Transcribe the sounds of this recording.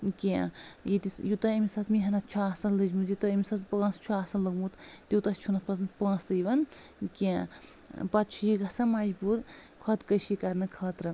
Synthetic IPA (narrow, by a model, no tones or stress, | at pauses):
kãjit̪isjut̪ɐimisɐt̪miɦɐnɐt̪̚t͡ʃʰuaːsɐnlɨd͡ʒmut̪jut̪ɐimisɐt̪pãːst͡ʃʰuaːsɐnləɡmut̪t̪iwt̪ɐst͡ʃʰunɐt̪pɐt̪npãːsɨjʋɐnkã | pɐt̪̚t͡ʃʰujiɡɐsɐmɐd͡ʒbuɾkʰɔt̪kəʃikɐɾnɨkʰɐt̪ɾɐ